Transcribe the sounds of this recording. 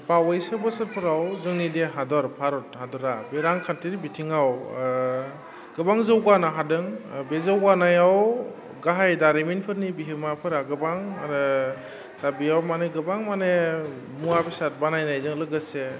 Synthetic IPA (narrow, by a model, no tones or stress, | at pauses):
pawajsɯbɯsɯɾpʰɯɾawzɯŋnideɦadɔɾpʰaɾɔt̚hadɔɾabeɾaŋkʰantiɾibitʰiŋaw | ɡɯbaŋzɯwɡanaɦadɯŋbezawɡanajaw | ɡaɦajdaɾeminpʰɯɾnibiɦimapʰɯɾaɡɯbaŋaɾɯ | tabiawmaneɡɯbaŋmane | muabʰisat̚banajnajzɯŋlɯɡɯse